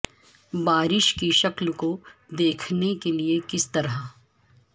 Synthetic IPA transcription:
baːɾɪʃkiʃɐklkod̪eːkʰnekeliekɪst̪ɐɾa

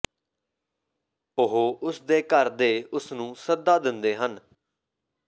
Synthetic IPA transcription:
ʊɦoːʔʊsd̪eːkəɾd̪eːʊsnũːsəd̪ːaːd̪ɪnd̪eːɦən

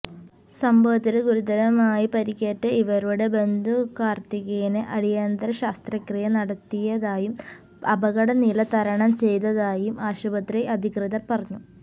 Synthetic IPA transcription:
sɐmbʱɐʋɐt̪ːilɡuɾud̪ɐɾɐmaːjipɐɾikʲːeːtːɐiʋɐɾuɽebe̞nd̪ʱukaːrt̪iɣeneʔɐɽijaːnd̪ɐɾɐɕaːst̪rɐkrijɐnɐɽɐt̪ːijɐðaːjum | ɐbɐɣɐɽɐnilɐt̪ɐɾɐɳɐmt͡ɕe̞jt̪ːɐðaːjumaːɕubɐt̪riɐd̪ʱikrɨðɐrpɐrɐɲːu

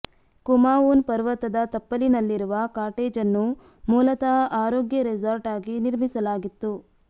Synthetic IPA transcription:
kumaːuːnpɐɾʋɐt̪ɐd̪ɐt̪ɐpːɐlinɐlːiɾuʋɐkaːɾʈeːd͡ʒɐnːu | muːlɐt̪ɐaːɾoːɡjɐɾid͡ʒɐɾʈaːɡiniɾmisɐlaːɡit̪ːu

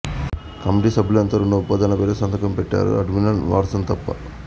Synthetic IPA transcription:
kɐmiʈiːsɐbʱilɐnt̪ɐɾoɳɖɐupaːd̪aːnɐpeːlɐsɐnd̪ʱɐkɐmpeʈːa̰ːɾṵɐ̰ɖminɐlʋa̰ːɾsɐnt̪ɐpːɐ̰

